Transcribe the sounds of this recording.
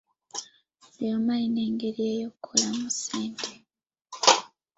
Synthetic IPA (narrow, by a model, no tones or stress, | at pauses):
jomaine̞ːŋɡeɾieːjokʰːolamusiːnte